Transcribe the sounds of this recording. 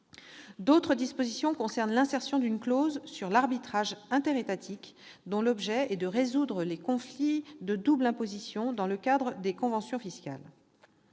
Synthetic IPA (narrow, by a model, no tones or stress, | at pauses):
d̪ot̪χəd̪ispozisjɔ̃kɔ̃sɛʁnlɛ̃sɛʁsjɔ̃d̪ynklozsyʁlaʁbit̪χaʒɛ̃t̪eʁet̪at̪ʰik | d̪ɔ̃lɔbʒɛɛd̪əʁezud̪ʁəlekɔ̃flid̪əd̪ublɛ̃pozisjɔ̃d̪ɑ̃ləkad̪ʁəd̪ekɔ̃vɑ̃sjɔ̃fiska̰l